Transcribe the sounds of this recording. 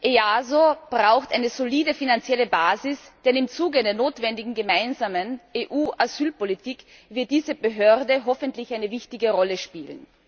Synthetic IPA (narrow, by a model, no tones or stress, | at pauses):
ʔeaːzob̥ʁaʊxtʔaɪnəz̥oliːdəfinant͡sjɛləbaːzɪsd̥ɛnɪmt͡suːɡəaɪnɐnoːtv̥ɛndɪɡŋ̩ɡəmaɪnzaːməneʔuːʔazyːlpolitʰiːk | vɪɐt̚d̥iːzəbəɦøɐdəɦɔfəntlɪçaɪnəvɪçtɪɡəʁɔləʃpiːlən